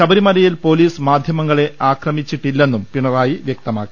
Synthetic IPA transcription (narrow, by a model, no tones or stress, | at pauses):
ɕɐbɐɾimɐlɐjilpo̞ːliːsmaːd̪ʱjɐmɐŋːɐɭe̞ʔaːkrɐmit͡ɕːiʈːilːe̞nːumpiɳɐraːjiʋjek̚t̪ɐma̰ːkːi